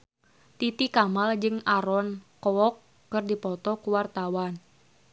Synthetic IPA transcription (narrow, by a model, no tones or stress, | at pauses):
t̪it̪ikamald͡ʒɨŋaɾɔnkɔɔkː | ɨrdipɔt̪ɔkuwart̪awan